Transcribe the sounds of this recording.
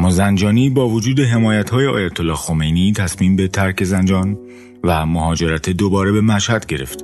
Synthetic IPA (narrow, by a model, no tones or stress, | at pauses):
mːɒzænd͡ʒɒːniːbɒːvod͡ʒuːd̪e̞ɦe̞mɒːjæt̪hɒːjeɒ̰ːjæt̪ʰolːɒːxo̞me̞jnit̪ʰæsmiːmbe̞t̪ʰæɾcʰe̞zænd͡ʒɒːn | væmoɦɒːd͡ʒe̞ɾæt̪ʰed̪obɒːɾe̞be̞mæʃhæd̪̥ɟe̞ɾe̞̰ft̪